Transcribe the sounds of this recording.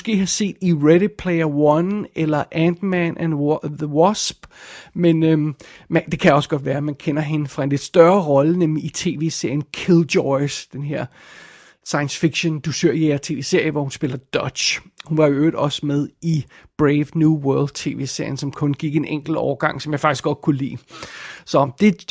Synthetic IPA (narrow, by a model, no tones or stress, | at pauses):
msɡ̥e̝̰ːhɑ̈se̝̰ːd̥iʁeɾipʰleɪɐwɒnelɐʔænd̥mænʔænðəwɒsb̥menømæd̥e̝kʰæɒ̽sɡ̥ɒ̽d̥ʋæːɐmænkʰen̰ɐɦe̝nəfʁɑ̈e̝nle̝d̥sd̥ɶɐʁɒ̽lənemliːt͡sʰe̝ːʋe̝̰ːse̝ɐ̰jənkʰild̥ɒɪsd̥enɦeɐ̰ | sɑ̈ɪənsfiɡ̥ɕond̥usʰøɐ̰jeɐt͡sʰe̝̰ːʋe̝ːse̝ɐ̰jəʋɒhunsb̥e̝ːlɐd̥ɒ̥ɕhunʋɑ̈joøːd̥ɒ̽smeð̞ˠib̥ʁeɪʋnjuwɜɐld̥̚t͡sʰe̝̰ːʋe̝̰ːse̝ɐ̰jən̩sɒ̽mkʰɔ̽nɡ̥iɡ̥e̝nʔeŋ̰ɡ̥l̩dɒ̰ʊɐɡ̥ɑ̈ŋ̰sɒ̽mjɑ̈fɑ̈ɡ̥isɡ̥ɒ̽d̥̚kʰulḭːsɒ̽md̥e̝